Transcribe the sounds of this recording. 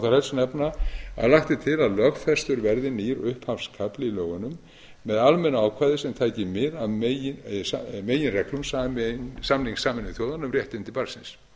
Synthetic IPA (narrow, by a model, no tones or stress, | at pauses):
wθaɾhɛlsnɛpnaa̰ðlaxt̪ɪt̪ʰɪlaðlœɣfɛst̪ʏɾvɛɾðɪniɾʏhphawfskʰaplɪilœːɣʏnʏmː | ɛðalmɛnaaːwkʰaːjðɪsɛmt̪ʰaːjcɪmɪɾaðmejɪsameːjɪnrɛklʏmsamnsamniŋsːaːmɪnʏθjoːwðanːʏmrjɛht̪ɪnt̪ɪlpaɾsɪns